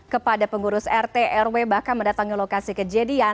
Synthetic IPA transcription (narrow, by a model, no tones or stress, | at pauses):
kəpadapəŋuɾʊsɛrt̪eʔɛrwebahkanməndat̪aŋilokasikəd͡ʒadia